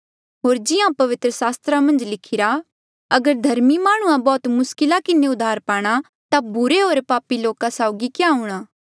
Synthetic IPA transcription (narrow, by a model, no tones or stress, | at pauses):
ɦoːɾd͡ʒɪjãpɐʋɪt̪ɾəsaːst̪ɾamɐ̃nd͡ʒlɪkʰɪɾa | ɐɡəɾd̪ʱɐɾmimaːɽ̃uãbɔːt̪mʊskɪlakɪneʊd̪ʱːaːɾpaːɽ̃a | t̪abʊɾeɦoːɾpaːpiloːkasaːʊɡikjaɦʊɽ̃aː